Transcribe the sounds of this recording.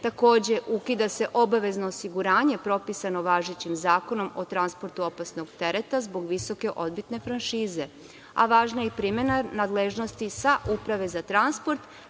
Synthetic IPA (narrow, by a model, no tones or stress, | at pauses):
t̪ako̞ːd͡ʑe̞ʔukid̪ase̞ʔo̞baʋe̞znoːsiɡuɾaːɲe̞pɾo̞pisano̞ʋaːʒet͡ɕimzaːko̞no̞mo̞t̪ɾanspo̞ɾt̪uo̞pasno̞ɡt̪e̞ɾet̪azbo̞ɡʋiso̞ke̞ʔo̞d̪̚bit̪ne̞fɾanʃiːze̞ | a̰ʋaːʒnajipɾime̞nanad̪leʒno̞st̪isaʔupɾaʋe̞zat̪ɾanspo̞ɾt̪